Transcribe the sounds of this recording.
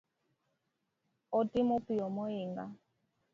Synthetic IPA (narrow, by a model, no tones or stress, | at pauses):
ɔtimɔpiɔmɔiŋɡa